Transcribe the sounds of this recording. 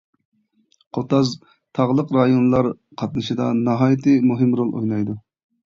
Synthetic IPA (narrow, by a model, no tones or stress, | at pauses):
qʰot̪ɑz | t̪ʰɑʁlˠəqɾɑjonlˠɑɾ | qʰɑt̪̚nɨʃɨd̪ɑnɑɦɑːjt̪ʰɨmuɦɪmɾolˠʔo̰jnˠɑjd̪u